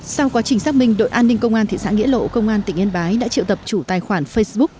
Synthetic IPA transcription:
sa˧wkwaː˨˦t͡ɕï˩ŋ̟sa˦˥k̚mï˧˩ŋ̟ɗo̰˧˨jʔaː˧nːi˧ŋ̟kə˧wŋ͡mʔaː˧t̪ḭ˧˨sa̰ː˧˥ŋḭ˧˥əlo̰˧˨kə˧wŋ͡mʔaː˧nt̪ï˧˩ŋʔe˧nɓaː˨˦jɗa̰ː˧˥t͡ɕḭ˧˨t̪ə˨˩p̚t͡ɕu˧˩t̪aː˨˩jxwaː˧˩nfə˧jsɓʊ˦˥

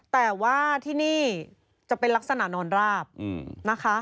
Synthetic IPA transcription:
t̪ɛː˨˩waː˥˩t̪ʰiː˥˩niː˥˩ | t͡ɕa˨˩pe˧nla˦˥k̚sa˧na˨˩nɔː˧nɾaː˥˩p̚ːna˦˥kʰa˦˥

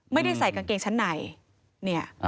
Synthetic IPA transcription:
ma˥˩jda˥˩jsa˨˩˦jka˧ŋkeː˧ŋt͡ɕʰa˦˥nːa˨˩˦j | ni˥˩ɐʔ

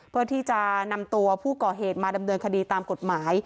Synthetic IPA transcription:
ppʰɯ˥˩ɐt̪ʰiː˥˩t͡ɕa˨˩na˧mt̪u˧ɐpʰuː˥˩kɔː˨˩ɦeː˨˩t̪̚maː˧da˧mnɤː˧nkʰa˧diː˧t̪aː˧mko˨˩t̪̚maː˩˦j

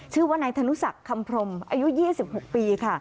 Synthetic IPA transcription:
t͡ɕʰɯː˥˩waː˥˩naː˧jt̪ʰa˧nu˦˥sa˨˩kʰːa˧mpʰɾo˧mʔaː˧ju˦˥jiː˥˩si˨˩p̚ho˨˩k̚piː˧kʰa˥˩

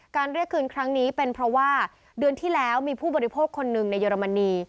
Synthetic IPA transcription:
kaː˧nɾi˥˩əkʰːɯː˧nkʰɾa˦˥ŋniː˦˥pe˧npʰɾɔ˦˥waː˥˩ | dɯ˧ənt̪ʰiː˥˩lɛː˦˥wmiː˧pʰuː˥˩bɔː˧ɾi˦pʰoː˥˩kʰːo˧nːɯ˨˩ŋna˧jːəː˧ɾa˧ma˧niː˧

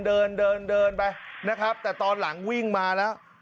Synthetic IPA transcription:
ndɤː˧ndɤː˧ndɤː˧npa˧jna˦˥kʰɾa˦˥p̚t̪ɛː˨˩t̪ɔː˧nla˩˦ŋwi˥˩ŋmaː˧lɛː˦˥w

